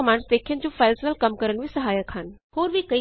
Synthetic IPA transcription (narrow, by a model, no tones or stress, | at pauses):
əmãːɳɖsd̪eːkʰjənd͡ʒoːfʰaːlsəʋəlkɐmkəɾənʋiːsɐɦaːjəkhənhoːɾʋikəi